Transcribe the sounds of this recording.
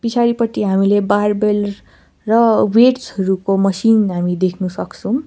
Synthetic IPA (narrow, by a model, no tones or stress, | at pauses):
pit͡sʰaɾipʌt̪ːiɦamilebarbel | rʌweʈsɦʌɾukomʌsinɦamid̪ekʰnusʌkt͡sʰʌw̃